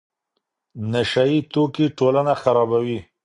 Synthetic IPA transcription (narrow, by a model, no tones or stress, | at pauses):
naʃajit̪okiʈolanaxaɾɑbawi